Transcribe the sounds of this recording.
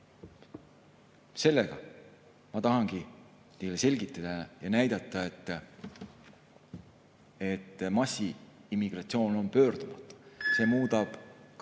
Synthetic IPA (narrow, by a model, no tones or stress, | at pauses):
se̞lːeɡ̥ɑ̰ | mɑt̪ɑɦɑŋɡ̥i | t̪ejlːese̞lʲɡit̪ːˑɑd̪̥ɑjɑnæjd̪̥ɑt̪ˑːɑe̞t̪ː | e̞t̪ːmɑsːiimːiɡ̥rɑt̪sio̞ːno̞npø̞ːrd̪̥umɑt̪ːˑu̥se̞ːmuːd̪ɑb̥k